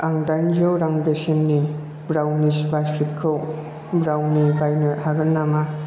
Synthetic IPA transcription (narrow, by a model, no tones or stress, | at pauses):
aŋdaŋd͡ʒowɾaŋbesinni | bɾawnisbaskɾip̚kʰɯw | bɾawnibajnɯhaɡɯnːama